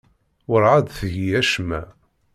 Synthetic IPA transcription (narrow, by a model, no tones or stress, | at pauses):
ʊɾʕad̪θəʝiæʃmæ